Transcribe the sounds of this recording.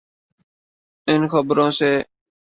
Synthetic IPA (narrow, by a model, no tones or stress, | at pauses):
ɪnxəbɾõːseː